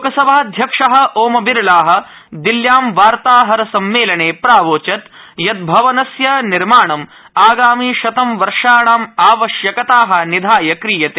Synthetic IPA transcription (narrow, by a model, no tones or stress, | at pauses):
okɐsɐbʱaːd̪ʱjɐkʂɐɦɐ̆ʔoːmɐbiɾlaːɦɐ̆ | d̪iljaːmʋaːɾt̪aːɦɐɾɐsɐmːeːlɐɳeːpɾaːʋoːt͡ʃɐt̪ | jɐt̪̚bʱɐʋɐnɐsjɐniɾmaːɳɐm | aːɡaːmiːʃɐt̪ɐmʋɐɾʂaːɳaːmaːʋɐʃjɐkɐt̪aːɦɐ̆nid̪ʱaːjɐkɾiːjɐt̪eː